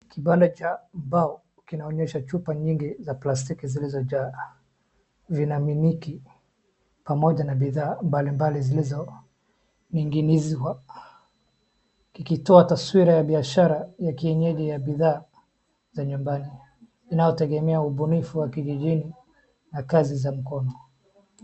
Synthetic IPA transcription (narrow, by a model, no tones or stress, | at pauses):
kiɓandat͡ʃambaɔ | kinaɔɲɛʃat͡ʃupaɲiŋɡizaplas̬tikizilizɔʄaː | vinaminiki | pamɔʄanabiðaːmbalimbalizilizɔ | niŋɡinizwa | kikitɔataswiɾajaɓiaʃaɾajakiɛɲɛʄɛjaɓiðaː | zaɲumbani | inajɔtɛɡɛmɛauɓunifuwakiʄiʄini | nakazizam̩kɔnɔ